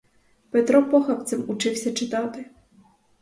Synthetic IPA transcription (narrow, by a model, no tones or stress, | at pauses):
pɛt̪ɾɔpɔxɐp̚t̪sɛmut͡ʂɪwsʲɐt͡ʂɪt̪ɑt̪ɪ